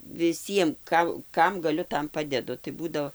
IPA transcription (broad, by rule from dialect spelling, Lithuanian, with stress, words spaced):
ʋʲɪˈsʲiɛm ˈkɐ ˈkɐm ɡɐˈlʲʊ ˈtɐm ˈpɑːdʲɛdʊ tɐɪ ˈbuːdoː